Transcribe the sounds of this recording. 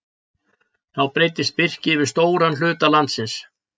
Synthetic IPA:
θawpɾeːjt̪ɪst̪̚pɪr̥cɪvɪɾ̥st̪oːwɾanl̥ʏːt̪alant̪sɪns

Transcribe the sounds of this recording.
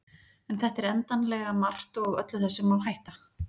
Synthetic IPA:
ɛnθɛht̪ɛɾɛnt̪anlɛɣamar̥t̪ɔɣœ̰t̪lʏθɛsːɪmawɦajht̪a

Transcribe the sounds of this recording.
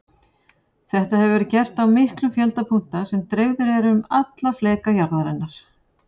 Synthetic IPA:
θɛht̪ahɛvɪvɛɾɪcɛr̥t̪awmɪhklʏmfjɛlt̪apʰun̥t̪asɛmt̪ɾeːjwvðʏɾɛɾʏmat̪laflɛːkajaɾðaɾɛnːaɾ̥

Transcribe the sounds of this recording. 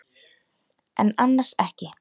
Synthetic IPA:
ɛ̰nanːaɾ̥sɛhcɪ

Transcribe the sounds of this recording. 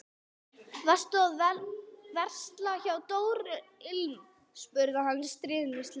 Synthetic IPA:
vɛst̪ʏaðvɛnvɛr̥st̪laçawt̪oːwɾʏɪlm | spʏɾðahanːst̪ɾɪːðnɪst̪l

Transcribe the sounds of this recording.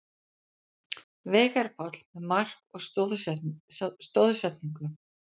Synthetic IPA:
veːɣaɾ̥pʰɔt̪l̥mɛðmar̥kɔɣsð | st̪oːwðsɛt̪niŋkʏ

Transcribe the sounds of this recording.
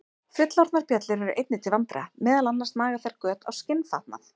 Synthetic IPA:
fjʏt̪laɾt̪naɾ̥pjɛt̪lɪɾɛɾʏʔejt̪nɪt̪ʰɪlvant̪ɾa̰mɛːðalanːast̪maːɣaθɛɾ̥kœːt̪ʰa̰wscɪnfa̰t̪na̰θ

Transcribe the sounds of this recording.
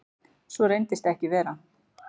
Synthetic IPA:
svɔɾejnt̪ɪst̪ɛhcɪvɛːɾa

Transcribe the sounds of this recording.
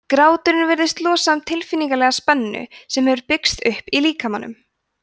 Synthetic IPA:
kɾaːwt̪ʏɾɪnvɪɾðɪst̪lɔːsamt̪ʰɪlfɪnːiŋkalɛɣaspɛnːʏ̰sɛmhɛvʏɾpɪkst̪ʏhpiliːkamanːʏ̰m

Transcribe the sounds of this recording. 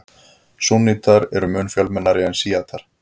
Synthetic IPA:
sunit̪ʰaɾɛɾʏmʏːnfjœlmɛnːaɾɪɛnsiːat̪ʰaɾ̥

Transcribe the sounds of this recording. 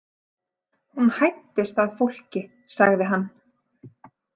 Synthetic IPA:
hunhajt̪ɪst̪aðfowl̥cɪ | saɣðɪɦanː

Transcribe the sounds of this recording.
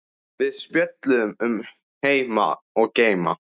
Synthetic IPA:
vɪðspjœt̪lʏðʏmʏm | heːjma̰ɔɣceːjma̰

